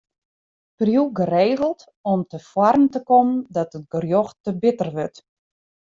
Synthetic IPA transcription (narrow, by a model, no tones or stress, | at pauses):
prjuɡəreːɣəl̩ˠt | ɔmtəfwɔrn̩təkɔmndɔtət̚ɡərjɔxtəbɪtərʋøt